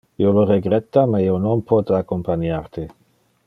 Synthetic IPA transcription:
ioloreɡɾet̪ːameionompʰɔt̪akompanjaɾt̪e

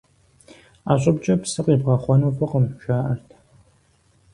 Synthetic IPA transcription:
aːɕʼɪbt͡ʃʼɐpsɨqiːbʁɐχʷɔnuwpʰɨqəmʒʷaːʔɐrtʰ

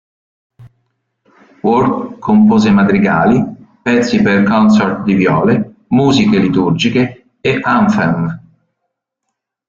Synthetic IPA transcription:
wurkkʰompoːzemat̪ɾiɡaːlipɛt̪sːiperkɔnsɔrt̪d̪ivjɔ̰ːle | muːzikelit̪urd͡ʒikeː | aɱfɛm

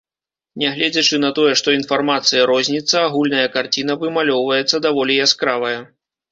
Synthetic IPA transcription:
nʲɛɣlʲɛd͡zʲɐt͡ʂɨnɐt̪ɔjɛʂt̪ɔin̪farmat̪sɨjɐɾɔzʲnʲit̪sːɐaɣulʲnɐjɐkart͡sʲin̪ɐvɨmalʲɔwvɐjɛt̪sːɐd̪avɔlʲijaskɾavɐjɐ

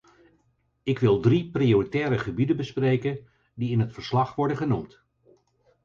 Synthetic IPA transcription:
ɪkʋɪlˠdriprioritɛːɾəχəbidənbəsprejkən | diɪnɦətfəɹslɑχʋɔɹdəχənumt

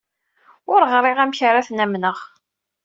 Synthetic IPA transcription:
ʊɾʁɾˤɪʁæmçɾaθnæmnəʁ

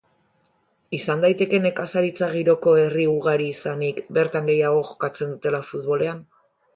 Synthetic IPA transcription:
isand̪ajt̪e̞ke̞ne̞kasaɾit͡saɣ̞iɾo̞ko̞e̞riuɣ̞aɾiːsanikbe̞ɾt̪aŋɡe̞jaɣ̞o̞ʝo̞kat͡se̞nd̪ut̪e̞lafut̪βo̞le̞an

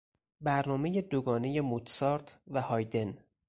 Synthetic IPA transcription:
bæɾnɒːme̞jed̪oɡɒːne̞je̞mut̪sɒːɾt̪ʰvæhɒːjd̪e̞n

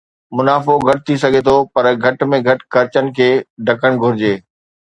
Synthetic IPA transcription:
mʊnaːfoɡʱɐʈ̚t̪ʰis̬ɐɡʱet̪ʰopɐɾɡʱɐʈmẽɡʱɐʈxɐɾɪt͡ɕənɪ̆kʰeːɖʱɐkəɽ̃ɡʱʊɾɪd͡ʑeː

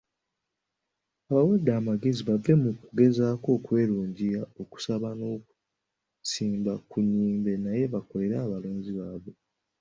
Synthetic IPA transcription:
aβawadːaːmaɡe̞ziβavːe̞mukuɡe̞zaːko̞ːkwe̞ːɾuːɲɟijao̞ku̥saβano̞ːku̥ | siːmbakuɲːiːmbenaje̞βako̞le̞ɾaːβaloːɲɟiβaːβe̞

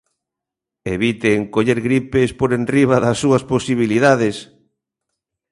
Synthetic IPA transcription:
eβit̪eŋkoʎeɾɣɾipespoɾenriβaðɐsːuɐsposiβ̞iliðaðes

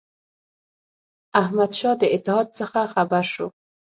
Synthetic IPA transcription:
ahmad̪ʃɔd̪əɪt̪ːɪhɑd̪̚səxaxabaɾʃo

